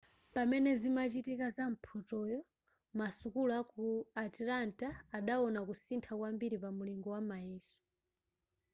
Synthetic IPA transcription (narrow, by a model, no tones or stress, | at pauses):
pamɛnɛzimat͡ʃitikazam̩pʰɔtɔjɔ | masukulakuatilantaːɗaɔnakusintʰakwambiɾipamuliŋɡɔwamajɛːsu̥